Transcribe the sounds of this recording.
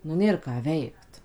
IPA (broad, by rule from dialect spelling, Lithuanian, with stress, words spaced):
nʊ ˈnʲeːr kɑː ˈʋʲɛɪkt